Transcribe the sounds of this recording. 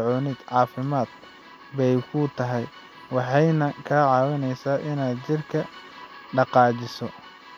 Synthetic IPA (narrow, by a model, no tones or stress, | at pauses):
ʕɔːnɪd̪ʕɑːfɪmaːd̪̥ | bɛjkʰʊt̪ʰɐɦɛj | wɑħɑjnɐkʰɐːʕɑːwɐnɛjsaːʔɪnaːd̪t͡ʃɪrkʰɐɖɑqɑːt͡ʃɪsɔ